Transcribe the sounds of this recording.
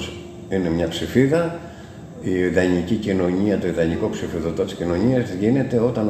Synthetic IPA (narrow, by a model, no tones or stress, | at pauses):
s | ine̞mɲɐpsifiðɐ | iiðɐɲicicino̞ɲiɐt̪o̞iðɐɲiko̞psifiðot̪ot̪i̥scino̞ɲiɐzʝine̞t̪e̞o̞t̪ɐn